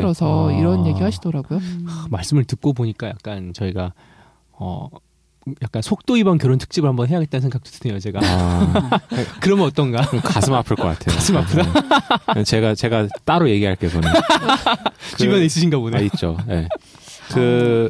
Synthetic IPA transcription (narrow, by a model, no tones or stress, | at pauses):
ɾʌsʰʌiɾʌnje̞ɡiɦaɕʰidʌɾaɡojoamaɭs͈ɯmɯɭtɯk̚k͈ob̬oɲik͈aja̰k̚k͈ant͡ɕʌiɡa | ʌ̰ | jak̚k͈ansʰok̚t͈oibʌnkjʌɾontʰɯ̥k̚t͡ɕ͈ibɯɭhambʌnɦe̞jaɡet͈̚annsʰeŋɡak̚t͡ɕ͈o̥tʰɯdʰejot͡ɕe̞ɡa | kɯɾʌmjʌnʌt͈ʌnɡakasʰɯmapʰɯɭk͈ʌk͈a̰tʰe̞joasʰɯmapʰɯda | t͡ɕe̞ɡat͡ɕe̞ɡat͈aɾoje̞ɡiɦaɭk͈esʌnn | kt͡ɕibjʌneis͈ɯɕʰinɡaboneit͡ɕ͈oje̞̰ | kɯ